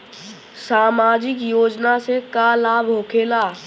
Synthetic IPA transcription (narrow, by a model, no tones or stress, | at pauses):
saːmaːd͡ʒɪkjoːd͡ʒnasekalaːbʱɦoːkʰeːlaː